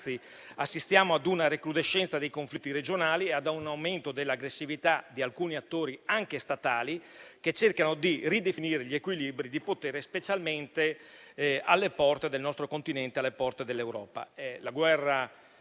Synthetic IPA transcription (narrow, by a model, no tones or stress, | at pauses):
si | asːist̪jaːmoad̪unaɾeklud̪eʃːɛnt̪sad̪ejkoɱflit̪ːiɾed͡ʒonaːliead̪nawment̪od̪elːaɡɾesːivit̪ad̪ialkuːniat̪ːoːɾiaŋkest̪at̪aːliket͡ʃerkanod̪irid̪efiniːɾeʎiekwilibɾid̪ipot̪eːɾespet͡ʃalment̪e | alːepɔrt̪ed̪elnɔst̪ɾokont̪inɛnt̪ealːepɔrt̪ed̪elːewɾɔ̰ːpa̰ɛlaɡwɛrːa